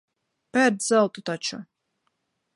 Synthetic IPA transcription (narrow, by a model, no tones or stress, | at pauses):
pʲɛɾd̪zɛlˠt̪ut̪at͡ʃu